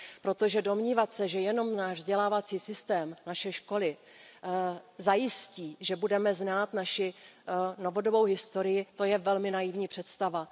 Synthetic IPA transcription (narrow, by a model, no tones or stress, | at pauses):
pɾo̞t̪o̞ʒɛdo̞mɲiːvat̪sɛʒɛjɛno̞mnaːʒvzɟɛlaːvat͡siːsɪst̪ɛːmnaʃɛʃko̞lɪ | zajɪsciːʒɛbudɛmɛznaːt̪naʃɪ | no̞vo̞do̞bo̞wɦɪst̪o̞ɾɪjɪt̪o̞jɛvɛlmɪnajɪvɲiːpr̥ɛt̪st̪ava